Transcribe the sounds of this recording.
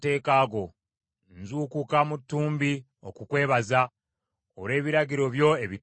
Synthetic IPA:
te̞ːkaːɡo̞ | nzuːkukamutːuːmbi | okukwe̞ːβaza | oɾe̞ːβiɾaɟiɾo̞βjo̞eβi

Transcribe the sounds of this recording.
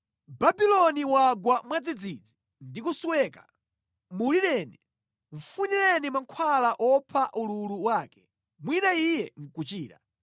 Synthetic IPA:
babilɔniwaɡwamwad͡zid͡zid͡zi | ndikusuwɛːka | muliɾɛːni | ɱ̩funilɛnimaŋkʰwalaʔɔpʰaʔululuwaːkɛ̥ | mwinaijɛŋ̩kut͡ʃiːɾa̰

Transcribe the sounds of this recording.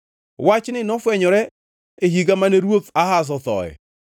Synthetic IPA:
wat͡ʃɪnenɔfwɛɲɔɾɛ | eɦiɡamaneɾwoθahas̬ɔθɔ̰ɛ̰

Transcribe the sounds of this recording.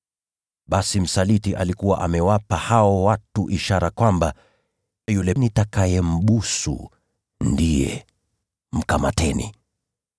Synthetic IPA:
ɓasim̩salitiʔalikuwaʔamɛwapahaɔwatuʔiʃaɾakwamba | julɛnitakajɛm̩ɓusṵ | ndijɛ̰ | m̩kama̰tɛnḭ

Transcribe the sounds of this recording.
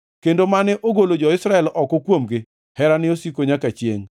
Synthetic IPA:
kendomanɛʔoɡolod͡ʒɔɪsɾaɛlʔɔkɔkwomɡɪ | hɛɾanɪosikoɲakat͡ʃjḛŋ

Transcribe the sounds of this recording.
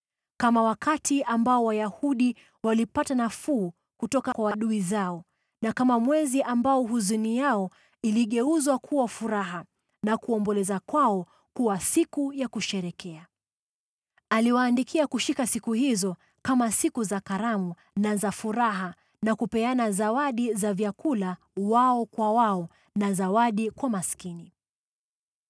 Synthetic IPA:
kamawakatiʔambaɔwajahuɗi | walipatanafuː | kutɔkakwawaɗuizaɔ | nakamamwɛziʔambaɔɦuzunijaɔ | iliɠɛuzwakʰuwafuɾaɦa | nakuɔmbɔlɛzakwaɔ | kuwasikujakuʃɛɾɛkɛa | aliwaːndikʰiakuʃikasikuhizɔ | kamasikuzakaɾamu | nazafuɾaɦa | nakupɛanazawaɗizavjakula | waɔkwawaɔ | nazawaɗikwamaskini

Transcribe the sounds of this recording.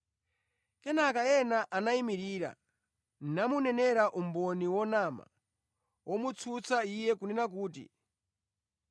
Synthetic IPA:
kɛnakaɛnaʔanaimiɾiːɾa̰ | nnamunɛnɛɾaʔumbɔniwɔnama̰ | wʔɔmut͡sʰut͡saijɛkunɛnak̬uːtḭ

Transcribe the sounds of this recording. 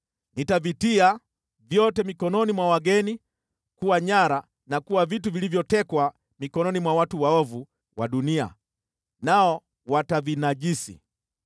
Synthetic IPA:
nitavitia | vjɔtɛmikɔnɔnimwawaɡɛni | kuwaɲaɾa | nakuwavit̬uvilivjɔtɛkwa | mikɔnɔnimwawatuwaɔvu | waɗunia̰ | naɔ | watavinaʄisḭ

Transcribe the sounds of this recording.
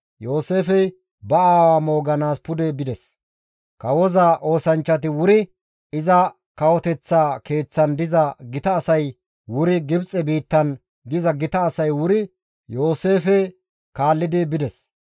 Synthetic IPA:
jo̞ːse̞ːfɛj | bɐaːwaːmo̞ːɡɐnaːspʊd̪ɛbɪd̪ɛs | kɐwɔzaʔo̞ːsɐnt͡ʃːɐt̪̬ɪwʊɾɪ | ɪzɐ | kɐwɔt̪ɛt͡sːaːke̞ːt͡sːɐnd̪ɪzɐɡɪt̪ɐːsɐj | wʊɾɪɡɪbt͡sʼɛbiːt̪ːɐn | d̪ɪzɐɡɪt̪ɐːsɐjwʊɾɪ | jo̞ːse̞ːfɛ | kaːlːɪd̪ɪbɪd̪ɛs

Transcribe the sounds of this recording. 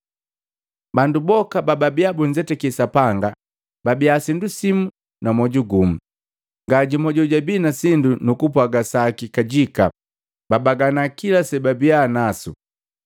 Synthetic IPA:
bandubɔkabababiabuɲd͡ʒɛtɛkɛsapaŋɡa | babiasindusimu | namɔɟuɡum̩ | ŋɡaɟimɔɟɔɟabinasindunukupwaɡasakikaɟika̰ | babaɡanakilasɛbabianasṵ

